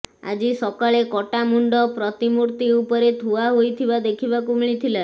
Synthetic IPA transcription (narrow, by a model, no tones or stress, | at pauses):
a̰d͡ʒisɔkɔɭekɔʈamuɳɖɔpɾɔt̪imuɾt̪iupɔɾet̪ʰuaɦojt̪ʰiʋad̪ekʰibakumɭ̃it̪ʰila